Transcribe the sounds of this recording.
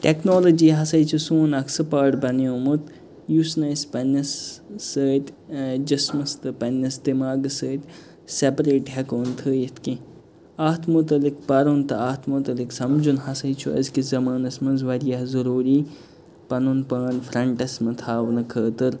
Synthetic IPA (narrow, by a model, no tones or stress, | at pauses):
ʈeknoːlod͡ʒiːɦɐsɐjt͡ʃʰusũːnɐksɨpaːʈbɐniõːmɨt̪ | jusnɐːspɐnʲɐsːəːt̪d͡ʒɐsmɐst̪ɨpɐnʲɐsd̪imaːɡɨsəːt̪ʲ | sepɾeːʈɦɛkoːnt̪ʰəːjit̪ʰki | aːt̪ʰmut̪ɐlik̚pɐɾunt̪ɨaːt̪ʰmut̪ɐliksɐmd͡ʒunhɐsɐjt͡ʃʰuɐ̰zkizɐmaːnɐsmɐnzʋɐɾijɐhzɐɾuːɾiː | pɐnunpaːnfɾɐɳʈɐsmɨt̪ʰaːʋnɨkʰəːt̪ɨɾ